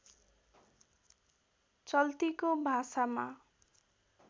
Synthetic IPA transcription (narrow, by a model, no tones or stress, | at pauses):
t͡sʌlt̪ikobʱasama